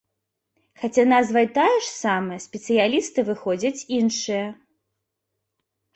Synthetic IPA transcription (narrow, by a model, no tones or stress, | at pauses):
xat͡sʲanazvɐjt̪ajɛʂsamɨjɐsʲpʲɛt̪sɨjalʲist̪ɨvɨxɔd͡zʲɐt͡sʲinʂɨjɐ